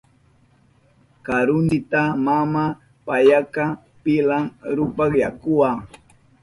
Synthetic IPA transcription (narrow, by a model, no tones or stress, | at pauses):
kaɾʊnd̪ɪt̪amama | pajaka | pɪlamɾʊpakjakʊwa